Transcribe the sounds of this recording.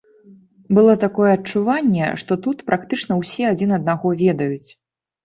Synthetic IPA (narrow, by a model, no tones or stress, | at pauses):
bɨlˠɔt̪akɔjɛɐt͡ʂuvanʲːɛ̰ʂt̪ɔt̪ut̪pɾʔakt̪ɨt͡ʂnɐwsʲɛad͡zʲinɐd̪naɣɔvʲɛd̪ɐjut͡sʲ